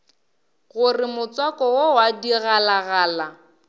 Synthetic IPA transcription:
ɣʊrɪmʊt͡swakɔwɔwadiɣalaɣaːla

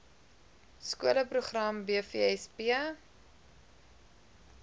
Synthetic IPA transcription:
skuələpruχrɐmbiəfiɛspiə

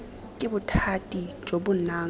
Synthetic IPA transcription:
kʼɪbutʰatʼi̥d͡ʒʱoɓunaːŋ

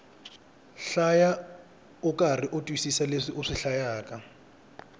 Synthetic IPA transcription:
ɬaja | ʊkʼariʔʊtʼwisisaleʂiʔʊʂɪɬajaːkʼa

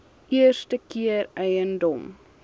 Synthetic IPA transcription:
ʔiərstəkiərɛjəndɔm

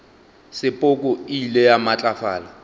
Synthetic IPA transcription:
sɪpʼʊkʼʊilɛjamat͡ɬʼafaːla

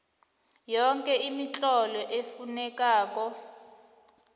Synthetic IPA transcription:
jɔŋkʼɛimit͡ɬʼɔlɔʔefunɛkaːk̬ɔ

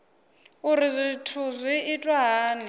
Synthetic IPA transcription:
uɾizitʰuzwiitʼwaɦaːni

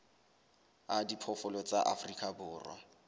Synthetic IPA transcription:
adipʰɔfʊlɔt͡sʼaʔafrikʼabʊːrwa̰

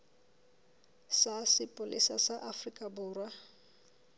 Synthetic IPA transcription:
sasɪpʼʊlḭsa̰saʔafrikʼabʊːrwa

